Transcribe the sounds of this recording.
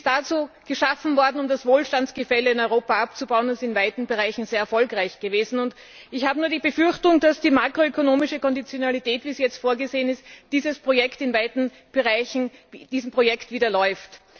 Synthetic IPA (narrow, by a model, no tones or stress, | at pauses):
sdat͡suːɡ̥əʃafn̩vɔɐdn̩ʊmdasvoːlʃtant͡sɡ̥əfɛləɪnɔʏʁoːpaap̚t͡subaʊənɪsɪnvaɪtn̩bəʁaɪçn̩zeːɐɛɐfɔlkʁaɪçɡ̥əveːzn̩ʊnt | ɪçhaːbənuːɐdiːbəfʏɐçtʊŋd̥asd̥iːmaːkʁoøkonoːmɪʃəkɔndit͡sjonalitɛːtv̥iːsjɛt͡stfoːɐɡəzeːənɪstd̥iːzəspʁ̥ojɛktɪnvaɪdn̩ | b̥əʁaɪçn̩d̥iːzm̩pʁ̥ojɛktv̥iːdɐlɔʏft